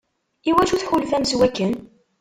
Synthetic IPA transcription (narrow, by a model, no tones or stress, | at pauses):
iwæʒuθħulfæmswækːən